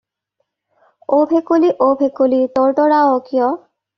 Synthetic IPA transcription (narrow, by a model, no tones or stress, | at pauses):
obʱekoliʔobʱekolit̪ɔɹʈɔɹaokijɔ